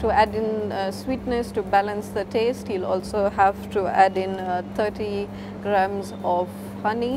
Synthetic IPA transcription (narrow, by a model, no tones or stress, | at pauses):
ʈuæɖɪ̃nswiːʈnɛsʈubælə̃nsd̪əʈʰeːsʈhilɔ̰ːlsoːhæʋʈuæɖɪ̃nt̪ʰəːʈi | ɡɾãmzɔʋ | hʌni